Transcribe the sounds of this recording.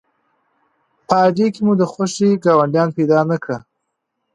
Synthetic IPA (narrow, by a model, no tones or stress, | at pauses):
pəɑdekemud̪əxaʃeɡɑwaɳɖjɑnped̪ɑnakɽa